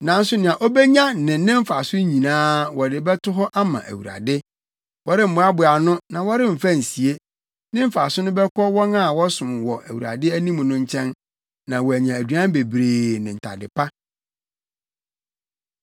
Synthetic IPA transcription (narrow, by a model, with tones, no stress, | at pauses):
nã˨n̩˦sʊ˦nɪ̃˨ã˨ʔo˦bɛ˦ɲã˦nɪ̃˨nɪ̃˦m̩˦fa˨sʊ˦ɲĩ˨nãː˦wɔ˨dɪ˨bɛ˦tʊ˦ɦɔ˦ʔa˦mã̰˨ʔæ̰˨wu˨ɾa̰˨dɪ˦ | wɔ˨˦ɾɪ˦m̩˨bʊ˦a˦bʊ˨a˨nʊ̃˦nã˨wɔ˦ɾɪ˦m̩˨fa˦˨n̩˨si˨e˦ | nɪ̃˦m̩˦fa˨sʊ˦nʊ̃˦bɛ˦kʰɔ˦wɔ̃˦na˦˨wɔ˦sʊ̃˨m˨wɔ˨ʔæ˨wu˨ɾa̰˨dɪ˦æ˦nĩ˦mʊ̃˨nʊ̃˦ɲ˦t͡ɕʰɛ̃˦n | nã˨wɔ˨æ˨ɲã˨æ˨dɥã˦m˦be˨bɾeː˨nɪ̃˨n̩˨tʰa̰˨dɪ̰˨pʰa˦